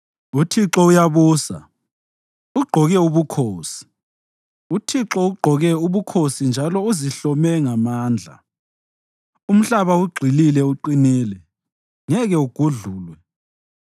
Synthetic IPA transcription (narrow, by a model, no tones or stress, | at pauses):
utʰiǁɔujaβuːsa̰ | uɡ͡ǃʱɔɣɛuβukʰoːsi̥ | utʰiǁɔuɡ͡ǃʱɔɣɛuβukʰosind͡ʒʱalɔuziɬɔmɛŋamaːnd͡ɮʱa̰ | um̩ɬaβauɡ͡ǀʱililɛuǃiniːlɛ | ŋɛɣɛuɡ̥ʱuɮuːlwɛ